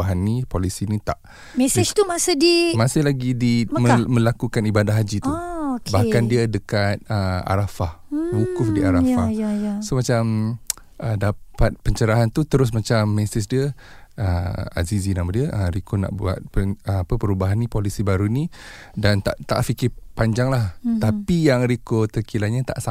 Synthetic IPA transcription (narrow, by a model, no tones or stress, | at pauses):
aɦanːipolisinit̪a̰ʔ | mɛsɪt̪umasədimasɪhlaɡidimə̃lakukanibadaɦad͡ʒit̪uokbahkandiədəkat̪̚əa̰ɾafahwukʊfdiaɾafajajasomat͡ʃam | ʔədapat̪̚pəɲt͡ʃəɾaɦant̪ut̪əɾʊs̬mat͡ʃamːɛsɪs̬diə | əa̰zizinamadiəʔəɾikona̰ʔbua̰t̪̚pəapəpəɾubaɦanːĩpolisibaɾunĩ | dant̪a̰ʔt̪a̰ʔfikɪpaɲd͡ʒaŋlaht̪apijaŋɾikot̪əkilaɲat̪a̰ʔsa